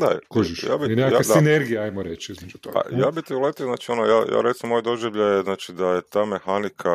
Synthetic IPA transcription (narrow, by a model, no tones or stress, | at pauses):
d̪a̰kuʒiʃja̰ːbinekaaed̪aineɾɡijaajmoɾet͡ʃizmed͡ʒut̪oɡpa̰jaːbit̪iulet̪ioznaːt͡ʃionoja̰ːja̰ːɾet̪simːojd̪o̞ʒeʋʎajeznaːt͡ʃid̪ajet̪aːme̞xanikʰa